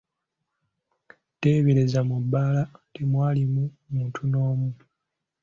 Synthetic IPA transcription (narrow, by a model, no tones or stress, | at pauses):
te̞ːβeɾezamubːaːlatemwaːlimu | muːntʰuno̞ːmu